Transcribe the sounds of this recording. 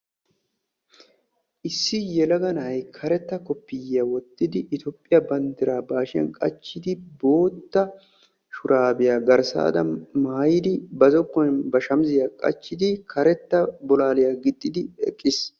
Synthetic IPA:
ʔɪsːɪjɛlɐɡɐnɐjkʰɐɾɛt̪ːɐkɔpːɪjjɐwɔt̪ːɪd̪ɪʔɪt̪jɔːpʼːɪjɐbɐnd̪ɪɾaːbaːʃɪɐ̰nkʼɐ̰t͡ʃːɪd̪ɪbo̞ːt̪ːɐ | ʃʊɾʔaːbɪjaːɡɐɾsa̰ːd̪ɐmaːjɪd̪ɪbɐzɔkːɔjnbɐʃɐmzɪjaːkʼɐ̰t͡ʃːɪd̪ɪkʰɐɾɛt̪ːɐbɔlaːlɪjaːɡɪt̪ʼːɪd̪ɪɛ̰kʼːɪs

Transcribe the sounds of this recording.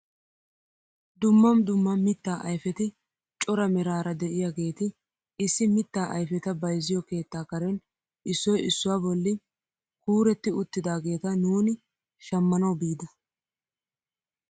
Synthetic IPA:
d̪ʊmːɐmd̪ʊmːɐmɪt̪ːaːʔɐjfɛt̪ɪ | t͡ʃʼɔɾɐmɛɾaːɾɐd̪ɛʔɪjaːɡe̞ːt̪ɪ | ɪsːɪmɪt̪ːaːʔɐjfɛt̪ɐbɐjzːɪjɔke̞ːt̪ːaːkɐɾɛn | ʔɪsːɔjɪsːʊwaːbɔlːɪ | kuːɾɛt̪ːɪʊt̪ːɪd̪aːɡe̞ːt̪ɐnuːnɪ | ʃɐmːɐnɐwbiːd̪ɐ

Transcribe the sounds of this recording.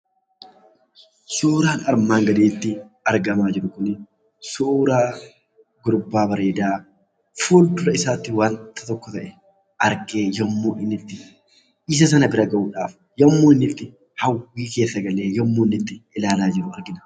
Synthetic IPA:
soːɾaːnɐɾmaːŋɡɐd̪eːt̪ːɪɐɾɡɐmaːd͡ʒɪɾʊkʊnɪ | suːɾaː | ɡʊɾbːaːbɐɾeːd̪aː | fuːld̪ʊɾɐɪsaːt̪ːɪwaːnt̪ːɐt̪ɔkːɔt̪ɐʔɛ | ʔɐɾke̞ːjɔmːoːʔɪnːɪt̪ːɪ | ɪs̬ɐs̬ɐnɐbɪɾɐɡɐʔuːᶑaːf | jɔmːo̞ːɪnːɪt̪ːɪ | hɐwːiːke̞ːsːɐɡɐle̞ːjɔmːoːnːɪt̪ːɪɪlaːlaːd͡ʒɪɾʊɐɾɡɪnɐ̥

